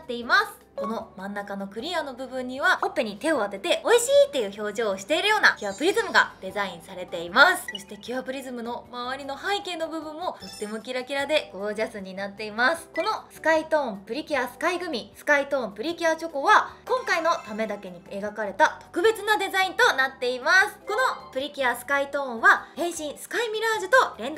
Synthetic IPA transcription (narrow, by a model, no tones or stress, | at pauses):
t̪ːe̞imasɨ̥ | ko̞no̞mãnːakano̞kɯ̟ɾʲiano̞bɯ̟bɯ̟̃ɲ̟ːiβaopːe̞ɲ̟it̪e̞o̞βat̪e̞t̪e̞oiɕiːt̪ːe̞jɯ̟ço̞ːʑo̞ːɕi̥t̪e̞iɾɯ̟jo̞ːnakʲiapɯ̟ɾʲizɨmɯ̟ɡad̪̥e̞zaĩɰ̃saɾe̞t̪e̞imasɨ̥so̞ɕi̥t̪e̞kʲɯapɯ̟ɾʲizɨmɯ̟no̞maβ̞aɾʲino̞hãike̞ːno̞bɯ̟bɯ̟̃mːo̞t̪o̞t̪ːe̞mo̞kʲiɾakʲiɾad̪e̞ɡ̥o̞ːʑasɨɲ̟inat̪ːe̞imasɨ̥ko̞no̞sɨ̥kait̪õ̞ːmpɯ̟ɾʲikʲiasɨ̥kaiɡɯ̟mʲisɨ̥kait̪õ̞ːmpɯ̟ɾʲikʲiat͡ɕo̞ko̞βakõ̞ŋkaino̞t̪ame̞d̪ake̞ɲ̟ie̞ɡakaɾe̞t̪at̪o̞̥kɯ̟be̞t͡sɨnad̪e̞zaĩnt̪o̞nat̪ːe̞imasɨ̥ko̞no̞pɯ̟ɾʲikʲiasɨ̥kait̪õ̞ːɰ̃βahẽ̞ɰ̃ɕĩɰ̃sɨ̥kaimʲiɾaːʑɨt̪o̞ɾẽ̞nd̪